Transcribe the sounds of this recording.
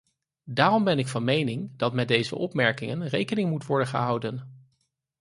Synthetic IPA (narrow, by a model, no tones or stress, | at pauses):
daːrɔmbɛnɪkfɑnmejnɪŋdɑtmɛd̚ejzə̰ʔɔpmɛɹkɪŋənrejkənɪŋmutʋɔɹdənχə̰ɦʌwdən